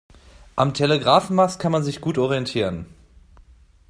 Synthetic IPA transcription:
ʔamtʰeleɡʁaːfn̩maskʰanmanzɪçɡ̥uːtʔɔʁiɛntʰiːʁən

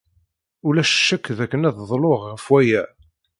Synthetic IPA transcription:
ʊlæʃʃːækːðækːənæððˤloʁʁəfwæjæ

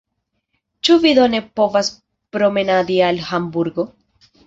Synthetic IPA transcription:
t͡ʃuvid̪o̞ne̞po̞vas | pɾo̞me̞nadialhambuɾɡo̞

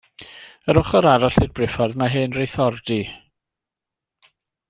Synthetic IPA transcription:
əɾʊχɔɾaɾɔɬɪdbrɪfɔrðmaɦɨnrejθɔrdi

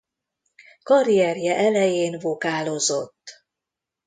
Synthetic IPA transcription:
kɒɾijɛrjɛʔɛlɛjeːnvokaːlo̞zo̞t̪ː

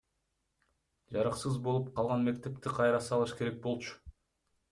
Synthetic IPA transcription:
d͡ʒɑɾɑqsɯzbo̞lˠup̚qʰɑlˠʁɑnme̞k̚t̪e̞p̚t̪iqʰɑjɾɑsɑlˠɯʃke̞ɾek̚bo̞lˠt͡ʃʊ̥

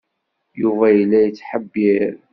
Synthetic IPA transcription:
juvæjlːæjət͡sːħəbːiɾ

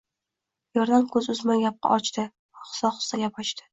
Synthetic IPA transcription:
jɒɾd̪amkʲʰɵzʊzmanɡʲap̚qʰɑ̰ʔɒt͡ʃt̪ɪ | χʊ̥sɒχʊ̥st̪aɡʲapʰɒt͡ʃt̪ɪ̥

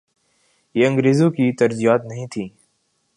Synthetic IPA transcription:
jeːə̃ŋɡɾeːzõːkiːt̪əɾzijaːt̪nəɦĩːt̪ʰĩː

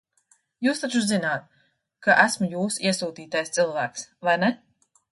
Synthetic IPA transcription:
juːst̪at͡ʃuzinaːt̪̚ | kaʔæsmujuːsiɛsuːt̪iːt̪ajst̪sɨlˠvæːksvajnɛ

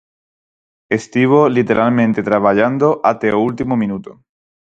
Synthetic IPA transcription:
est̪iβ̞olit̪eɾʔalmẽnt̪et̪ɾaβaʎand̪oʔat̪eoult̪imomĩnut̪o

